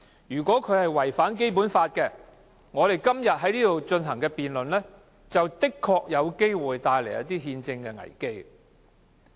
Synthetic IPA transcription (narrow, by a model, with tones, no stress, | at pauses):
jyː˨˩kʷɔː˨˥kʰɵ˨˧ɥhɐ˨jwɐ˨˩jfaː˨˥nk̬e˥jp̬u˨˥nfaː˧t̚kɛː˧ | ŋɔː˨˧ɾe˨jkɐ˥mjɐ˨t̚ɦɐ˨˥jliː˥t̪o˨wt͡ʃɵ˧nɦɐ˨˩ŋkɛː˧piː˨nlɵ˨nlɛː˥ | t͡sɐ˨wt̪ɪ˥kʰːɔː˧k̚jɐ˨˧wke˥jwuː˨jt̪aː˧jle˨˩jɐ̰˥t̪iː˥ɦiː˧nt͡sɪ˧ŋkɛ˧ŋɐ̰˨˩jke˥j